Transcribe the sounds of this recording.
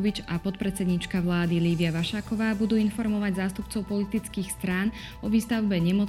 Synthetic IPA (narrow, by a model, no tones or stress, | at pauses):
ʋit͡ʃapɔt̪̚pɾɛt͡sɛd̪ɲit͡ʃkaʋlaːd̪iliːʋiaʋaʃaːkɔʋaːbud̪uːinfɔɾmɔʋaɟzaːst̪upt͡sɔʊpɔlit̪it͡skiːxst̪ɾaːn | ɔʋiːst̪aʊbɛɲɛmɔ